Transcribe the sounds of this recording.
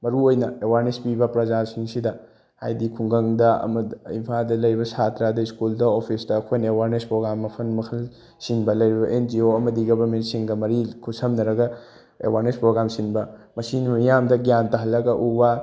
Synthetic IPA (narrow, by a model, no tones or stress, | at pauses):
mɐɾuojnɐewaɾnespibɐpɾɐzasiŋsidɐ | ha̰jdikʰuŋɡɐŋdɐɐ̰mɐḭmpʰadɐlɐjɾibɐsatɾadɐiskuldɐopʰisdɐːkʰojnɐewaɾnespɾoɡɾamːɐpʰɐnmɐkʰɐl | sinbɐlɐjɾibɐʔend͡ʒioɐmɐdiɡɐbɐmetsiŋɡɐmɐɾikʰusɐmnɐɾɐɡɐ | ḛwaɾnespɾoɡɾamsinbɐmɐsinmɐmijamdɐɡijantɐɦɐlːɐɡɐʔuwa